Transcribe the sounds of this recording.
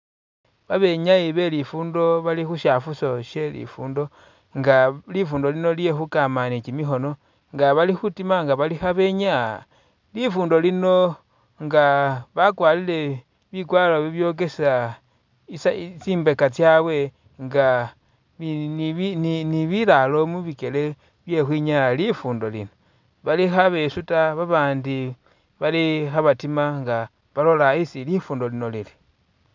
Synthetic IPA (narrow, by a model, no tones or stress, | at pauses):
βaβe̞ɲaiβe̞lifuːndo̞βalixuʃafuso̞ʃje̞lḭfuːndo̞ | ŋɡalifuːndo̞lino̞lije̞xukamanit͡ʃimixo̞no̞ | ŋɡaβalixutimaŋɡaβalixaβe̞ɲa | lifuːndo̞lino̞ | ŋɡaβakwalile̞ | βikwaloβiβjok̬e̞sa | issiːmbekat͡sjawe̞ | ŋɡa | βinininiβilalo̞muβike̞le̞ | βje̞xwiɲalalifuːndo̞lḭno | βalixaβesutaβaβaːndi | βalixaβatimaŋɡa | βalo̞laisilifuːndo̞lino̞lili̥